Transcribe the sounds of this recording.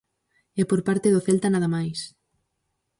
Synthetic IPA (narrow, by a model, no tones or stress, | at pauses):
ɛpoɾpaɾt̪eðoθelt̪anaðamajs